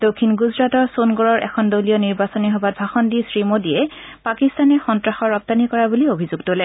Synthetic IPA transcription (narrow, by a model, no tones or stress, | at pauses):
d̥okʰːinɡuzɹatɔɹsonɡɔɹɔɹʔɛ̰kʰɔndolijɔniɹbasɔniɦɔbat̚bʱaxɔndisɹimodijɛ | pakistanɛxɔntɹaxɔɹːɔk̚tanikɔɹabuliobʱizuɡtolɛ